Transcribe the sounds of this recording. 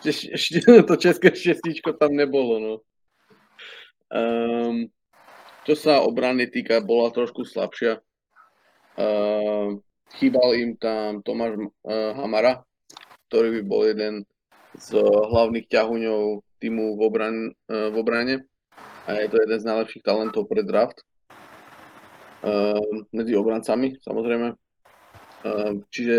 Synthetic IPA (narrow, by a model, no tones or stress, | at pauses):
t͡ʃɛʃt̪ɔt͡ʃɛskɛʃɛscit͡ʃkɔt̪amɲɛbɔlɔnɔ | ə | t͡ʃɔsaɔ̰bɾanit̪iːkabɔlat̪ɾɔʃkusla̰pʃɪa | xiːbalimt̪amt̪ɔmaːʒmɦamaɾa | k̚t̪ɔɾiːbibɔ̰ljɛd̪ɛn | zɦlaʊniːxcaɦuɲɔʊt̪iːmuvɔbɾavɔbɾaɲɛ | ʔajɛt̪ɔjɛd̪ɛnznajlɛpʃiːxt̪alɛnt̪ɔʊpɾɛd̪ɾaft̪ | mɛd͡ziɔbɾant͡samisa̰mɔzɾɛjmɛ | t͡ʃiʒɛ